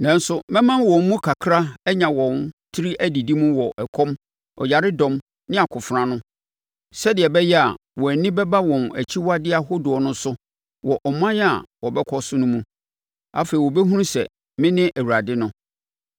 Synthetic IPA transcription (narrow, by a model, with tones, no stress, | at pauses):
nã˨n˦sʊ˦mɛ̃˦mã˦n˦wɔ̃˨m̩ː˦ũ˦kʰa˨kʰɾa˦ɛ˦ɲã˨wɔ̃˨ntʰi˦ɾi˦ʔæ˦di˨di˦mũ˦wɔ˨ʔɛ˨kʰɔ̃˦m | ɔ̰˨ja˨ɾɪ˦dɔ̃˨m | nɪ̃˦a˨kʰʊ˨fɾã˦nʊ̃˦ | sɛ˦dɪ˨ɛ˨bɛ˦jɛ˦a̰˨ | wɔ˨æ˨nĩ˦bɛ˦ba˦wɔ̃˨næ̰˨t͡ɕʰi˦wa˦dɪ˦a˨ɦo˦dʊ˨ɔ˨nʊ̃˦sʊ˦ | wɔ˨ʔɔ˨m˦ã˦n˦a̰˨wɔ˨bɛ˦kʰɔ˦sʊ˦nʊ̃˦mũ˦ | a̰˦fe˨i˨wɔ˨bɛ˦ɦũ˦ũ˦sɛ̰˨ | mɪ̃˦nɪ̃˦ʔæ˨wu˨ɾa˨dɪ˦nʊ̃˦